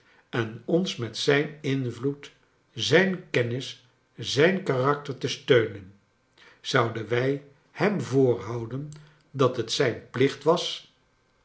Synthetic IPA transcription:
ɛnɔnsmɛtsɛjnɪnvlut | zɛjnkɛnɪs | zɛjnkarɑk̚təɹtəstøɥnən | z̥ɑwdənʋɛj | hɛmvʊːrɦɑwdən | dɑtɦətsɛjnplɪχtʋɑs

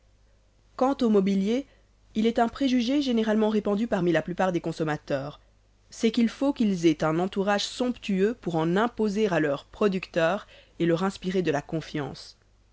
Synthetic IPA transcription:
kɑ̃t̪omɔbilje | ilɛt̪ɛ̃pχeʒyʒeʒeneʁalmɑ̃ʁepɑ̃d̪ypaʁmilaplypaʁd̪ekɔ̃sɔmat̪œːʁ | sɛkilfokilzet̪ɛ̃nɑ̃t̪uʁaʒsɔ̃pt̪yøpuʁɑ̃nɛ̃pozeʁalœʁpχɔd̪ykt̪œːʁelœʁɛ̃spiʁed̪əlakɔ̃fjɑ̰̃s

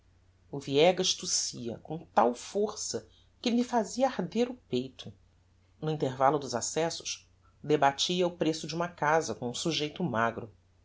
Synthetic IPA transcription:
ʊviɛɡɐiʃt̪usiɐ̰kõt̪awfoɾsɐ | kɪmifaziɐahd̪eɾʊpejt̪ʰʊ | nʊĩnt̪eɾvalʊd̪ʊzasɛsʊ̥ʃ | d̪ebat͡ʃiɐʊpɾesʊd͡ʒɪũmɐkazɐkõũsuʒejt̪ʊmaɡɾʊ

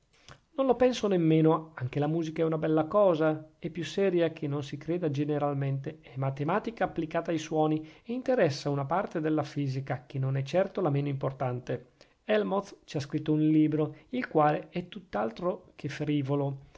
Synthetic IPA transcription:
nõnlopɛnsonemːeːnoaŋk̟elamuːzikaɛunabɛlːakɔːzaɛpːjusɛːɾjak̟ʰenːonsikɾeːd̪ad͡ʒeneɾalment̪eɛmat̪emaːt̪ikaːpːlikaːt̪aːjswɔːnieint̪eɾɛsːaunapart̪ed̪elːafiːzikak̟enːonɛt͡ʃːɛrt̪olameːnoimport̪ant̪e | ɛlmot̪t͡ʃiaskɾit̪ːounliːbɾoilkwaːleɛt̪ːut̪ːalt̪ɾokʰefɾiːvolo

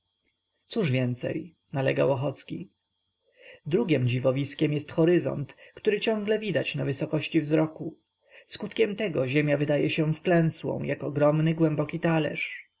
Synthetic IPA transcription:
t̪suʐvʲjɛnt̪sɛ̰j | nalɛɡa̰wɔxɔt̪skʲḭ | d̪ɾuɡʲɛmd͡ʑivɔvʲiskʲɛmjɛst̪xɔɾɘzɔ̰nt̪kt̪uɾɘt͡ɕɔ̃ŋɡlɛvʲid̪at͡ɕnavɘsɔkɔɕt͡ɕivzɾɔku | skut̪kʲɛmt̪ɛɡɔʑɛmʲjavɘd̪ajɛɕɛfklɛ̃w̃swɔ̰̃w̃jʔakɔɡɾɔmnɘɡwɛmbɔkʲit̪alɛ̰ʂ

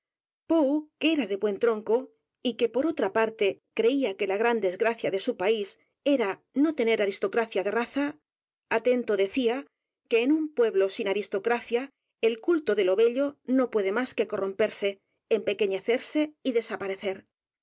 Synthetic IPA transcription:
powkee̞ɾaðe̞βwe̞nt̪ɾo̞ŋko̞ | ike̞po̞ɾo̞t̪ɾapaɾt̪e̞kɾe̞iake̞laɣɾand̪e̞zɣɾaθjaðe̞supais | e̞ɾa | no̞t̪e̞ne̞ɾaɾist̪o̞kɾaθjaðe̞raθa | at̪e̞nt̪o̞ðe̞θia | ke̞ːnumpwe̞βlo̞sinaɾist̪o̞kɾaθja | elkult̪o̞ðe̞lo̞βe̞ʎo̞no̞pwe̞ðe̞maske̞ko̞ro̞mpe̞ɾse̞ː | mpe̞ke̞ɲe̞θe̞ɾse̞iðe̞sapaɾe̞θe̞ɾ

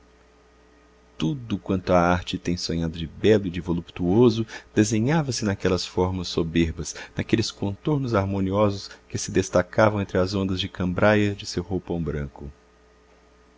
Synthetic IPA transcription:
t̪ud̪ʊkwɐ̃nt̪ʊɐaɾt͡ʃɪt̪ẽj̃sõɲad̪ʊd͡ʒɪbɛlʊɪd͡ʒɪvolupt̪uozʊd̪̥ezẽɲavɐsɪnakɛlɐsfɔɾmɐsːobeɾbɐsnakelɪskõnt̪oɾnʊzaɾmõniɔzʊskɪsɪd̪est̪akavɐ̃wẽnt̪ɾɪɐzõnd̪ɐzd͡ʒɪkɐ̃mbɾajɐd͡ʒɪsewhowpɐ̃w̃bɾɐ̃ŋkʊ

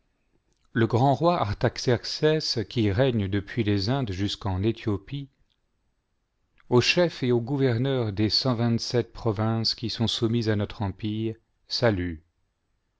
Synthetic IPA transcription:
ləɡʁɑ̃ʁwaʔaʁt̪aksɛʁksɛskʲiʁɛɲd̪əpɥilezɛ̃d̪ʒyskɑ̃net̪jɔpi | oʃɛfeoɡuvɛʁnœʁd̪esɑ̃vɛ̃t̪sɛt̪̚pχɔvɛ̃skʲisɔ̃sumizanɔt̪χɑ̃piːʁ | saly

